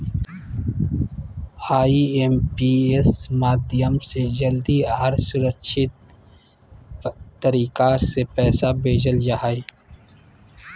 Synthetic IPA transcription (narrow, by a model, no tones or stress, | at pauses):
aːiempiesmaːd̪ɪjəmsed͡ʒəld̪iaaɾsʊɾəkʃʰɪt̪̚ | əɾiːkasepɛːsabeːd͡ʒəld͡ʒaɦaːi